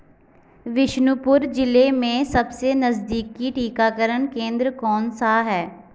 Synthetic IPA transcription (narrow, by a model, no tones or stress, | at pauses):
ʋɪʃnʊpʊɾd͡ʒɪlemẽsɐbsenɐzd̪iːkːiʈiːkakəɾəɳkẽːnd̪ɾkɔːnsaɦɛː